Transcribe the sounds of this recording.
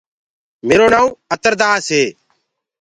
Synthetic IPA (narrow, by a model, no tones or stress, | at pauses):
meːɾoːnãːũːət̪əɾd̪aːseː